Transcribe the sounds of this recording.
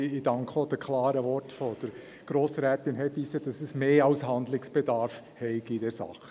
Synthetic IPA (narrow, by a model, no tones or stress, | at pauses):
ɪdɑŋkχod̥əkʰlɑːɾəʋɔɾtfɔd̥əɾ | ɡ̥ɾoːsɾæːt̪ɪnɦɛbisəd̥ɑsəsmeːɑʊshɑnd̪lɪksb̥ɛdɑːɾf | hɛɪɡidɛɾsɑ̰χə